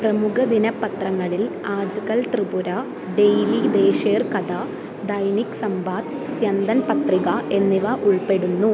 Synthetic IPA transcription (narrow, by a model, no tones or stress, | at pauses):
prɐmukʰɐd̪inɐpːɐt̪rɐŋːɐɭilaːd͡ʑukɐlt̪ribuɾɐ | ɖe̞jlid̪eːʂeːrkɐd̪ɐ | d̪ɐjniksɐmbaːt̪ | sjɐnd̪ɐnpɐt̪riɣɐʔe̞nːiʋɐʔuɭpe̞ɽunːu